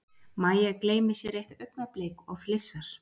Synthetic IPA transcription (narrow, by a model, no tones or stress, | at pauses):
maːjakleːjmɪ̥sjɛɾejht̪œɥknaplejkɔɣflɪsːaɾ̥